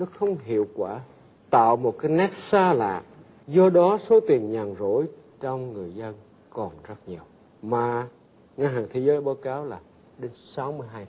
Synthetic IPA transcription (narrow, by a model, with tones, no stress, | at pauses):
nɔ˨˦xə˧wŋ͡mɦḭ˧˨əwkwaː˧˩ | t̪a̰ː˧˨wmo˨˩t̚kaː˨˦jnɛ˦˥t̚saː˧la̰ː˧˨ | zɔ˧ɗɔ˨˦so˨˦t̪i˨˩əŋɲaː˨˩ŋzo̰˧˥j | t͡ɕɔ˧wŋ͡mŋɨ˨˩əjzə˧n | kɔ˨˩nzə˦˥t̚ɲi˨˩əw | maː˨˩ | ŋaː˧ɦaː˨˩ŋt̪ʰe˨˦zəː˨˦jɓaː˨˦wkaː˨˦wlaː˨˩ | ɗe˨˦nsa˨˦wmɨ˧əjɦaː˧j